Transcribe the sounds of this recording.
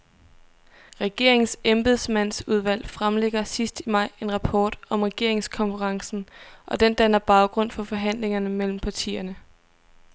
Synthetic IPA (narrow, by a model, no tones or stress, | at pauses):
ʁɛɡ̥e̝ɐ̰e̝ŋsemb̥eð̞ˠsmæn̰suð̞ˠʋæl̰fʁamleɡ̥ɐsisd̥imɑ̈ɪ̰e̝nʁɑ̈pʰɒ̰ːd̥ɒ̽mʁɛɡ̥e̝ɐ̰e̝ŋskʰɒ̽nfəʁɑ̈ŋsn̩ʔɒ̽d̥end̥ænɐb̥ɑ̈ʊɡ̥ʁɔ̽n̰fɒ̽fɒ̽ɦæn̰le̝ŋɐnəmel̰m̩pʰɑ̈t͡sʰḭːɐnə